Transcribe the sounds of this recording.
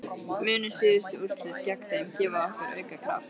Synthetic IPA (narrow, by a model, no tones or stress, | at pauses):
mʏːnʏsɪːðɪst̪ɪur̥t̪lɪcakθemcɛːvaɔhkaɾœ̰ːɥkakʰɾa̰f